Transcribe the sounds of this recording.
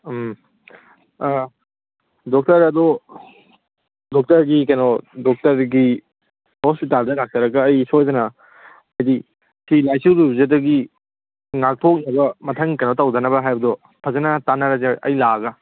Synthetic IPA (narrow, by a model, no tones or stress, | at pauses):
m | dɔk̚tɐɾɐdo | dɔk̚tɐɾɡikɐjnodɔk̚tɐɾɡi | hospitaldɐlak̚tɐɾɐɡɐːjsojzɐnɐ | majdi | silajsuɾubzɐdɐɡi | ŋak̚tʰok̚nɐbɐmɐtʰɐŋkɐjnotɐwdɐnɐbɐɦajbɐdɔ | pʰɐzɐnɐtanɐɾɐzʔɐ̰jlaɡɐ